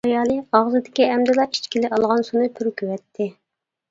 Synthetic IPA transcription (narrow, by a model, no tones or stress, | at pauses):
ɑjɑːlˠɨɑʁzɨd̪ɪkʲiɛmd̪ɪlˠɑi̥t͡ʃkʲʰilɪɑlˠʁɑnsunɨp̪ʰyɾkʲʰywɛt̪ʰːɪ